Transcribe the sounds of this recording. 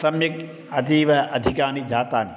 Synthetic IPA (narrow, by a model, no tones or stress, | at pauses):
sɐmjɐk | ɐd̪iʋɐʔɐd̪ʱikaːnid͡ʒʱaːt̪aːni